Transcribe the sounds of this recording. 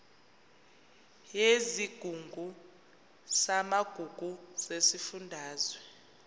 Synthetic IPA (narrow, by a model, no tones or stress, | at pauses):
jeziɡ̥ʱuŋɡʱu | samaɡ̥ʱuɡ̥ʱuz̥esifundʱaːzwɛ